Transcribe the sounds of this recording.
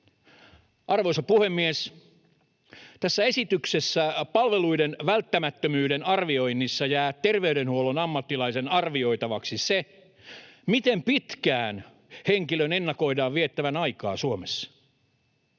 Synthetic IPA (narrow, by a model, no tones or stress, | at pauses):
ʔɑrʋoisɑpuhe̞mːies | t̪æsːæesit̪yksesːæpɑlʋeluidenʋælt̪ːæmæt̪ːømyːɾenɑrʋio̞inːisːɑjæːt̪ːerʋe̞yɾenhuolonɑmːɑt̪ːilɑise̞nɑrʋio̞it̪ɑʋɑksise | mit̪empit̪kæːn | heŋkiløne̞nːɑko̞idɑːʋʋiet̪ːæʋænɑikɑ̰ːsuomesːɑ̥